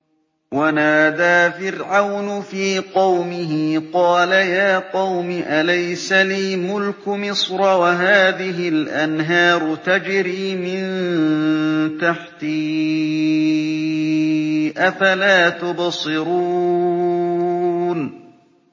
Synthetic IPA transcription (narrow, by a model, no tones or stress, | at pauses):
wanaːd̪aːfɪɾʕawnʊfiːqɑwmɪɦɪqɑːlajaːqɑwmɪʔalajsaliːmʊlkʊmɪsˤɾˤɑwaɦaːðɪɦɪlʔanɦɑːɾˤʊt̪ad͡ʒɾiːmɪn | t̪aħt̪i | ʔafalaːt̪ʊbsˤɨɾuː | n